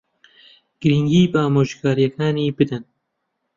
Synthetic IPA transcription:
ɡ̥ɨɾiŋɡiːbɑːmoːʒkɑːɾijɛkʰɑːniːbɨd̪ɛn

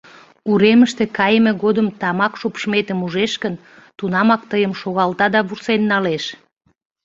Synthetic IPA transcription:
uɾeməʃt̪ekɑjəmeɣod̪əmt̪ɑmɑkʃupʃmet̪əmuʒeʃkən | t̪unɑmɑk̚t̪əjəmʃoɣɑlt̪ɑd̪ɑβursenːɑleʃ

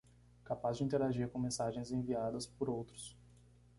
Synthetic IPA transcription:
kapazd͡ʒɪĩnt̪eɾaʒiɾkõmẽsaʒẽj̃zẽviad̪ɐspoɾowt̪ɾʊ̥s

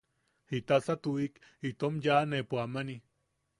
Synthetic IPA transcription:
hit̪asat̪uik | it̪omjanepoamani

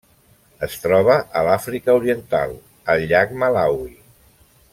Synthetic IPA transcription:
əst̪ɾɔβ̞əʔəlafɾikəuɾiənt̪a̰lˠ | əlʎakmalawi

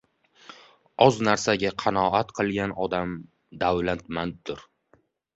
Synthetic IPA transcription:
ɒznaɾsaɡʲaqʰɑnɒat̪qʰɨlˠɡʲanɒd̪am | d̪awlant̪mand̪ʊɾ

